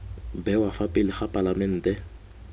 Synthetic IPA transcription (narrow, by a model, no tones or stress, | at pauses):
bɛwafapʼɪlɪχapʼalamɛn̩ːtʼɛ